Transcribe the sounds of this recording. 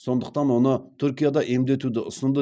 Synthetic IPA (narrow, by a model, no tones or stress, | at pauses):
so̞nd̪əq̚t̪ɑnwo̞nət̪ʰʏɾkʲijad̪ɑʔe̞md̪e̞t̪ud̪ɪʔʊsənd̪ə